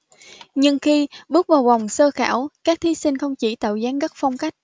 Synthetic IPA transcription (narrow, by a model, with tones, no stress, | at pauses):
ɲɨ˧ŋxi˧ɓɨ˦˥ək̚vaː˨˩wva˨˩wŋ͡msəː˧xa̰ː˧˩wkaː˦˥k̚t̪ʰi˨˦sï˧ŋ̟xə˧wŋ͡mt͡ɕi˧˩t̪ə̰ː˧˨˩wzaː˨˦ŋɣə˦˥t̚fɔ˧wŋ͡mka˦˥jk̟̚